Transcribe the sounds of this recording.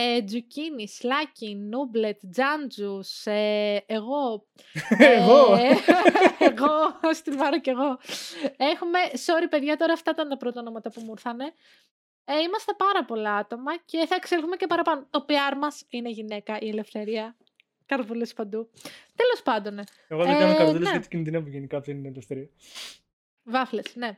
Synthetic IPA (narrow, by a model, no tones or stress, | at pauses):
ed͡zucinislɐcinuble̞t̪d͡zɐnd͡zuseeɣo̞ | eɣo | eɣost̪ivɐɾɐce̞ɣo̞ | exume̞so̞ɾipe̞ðʝɐt̪o̞ɾɐːft̪ɐit̪ɐnt̪ɐpɾot̪onomɐt̪ɐpumuɾθɐne̞ | imɐst̪ɐpɐɾɐpo̞lɐɐt̪o̞mɐce̞θɐekselθumece̞pɐɾɐpɐnot̪o̞piɐɾmɐsineʝine̞kɐʔiele̞fθe̞ɾiɐ | kɐɾɐpolespɐnd̪ut̪e̞lo̞spɐnd̪o̞ne | eɣoðeemɐt̪elsseɐt̪i̥cind̪inɐpuʝenikɐp̪innɐt̪ɐst̪eɾiɐ | vɐflesne̞